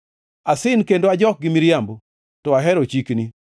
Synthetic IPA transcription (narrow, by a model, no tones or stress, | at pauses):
asɪnkendoad͡ʒɔk̚ɡɪmiɾjambo | tɔaɦɛɾot͡ʃikni